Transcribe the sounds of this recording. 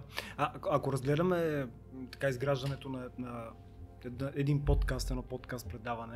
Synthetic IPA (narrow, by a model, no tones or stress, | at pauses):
aʔakoɾɐzɡlɛd̪ɐmɛ | t̪ḁkaizɡɾaʒd̪ɐnɛt̪onɐnɐ | ɛd̪nʔɛd̪inpɔt̪kast̪ɛd̪nɔpɔt̪kast̪̚pɾɛd̪avɐnɛ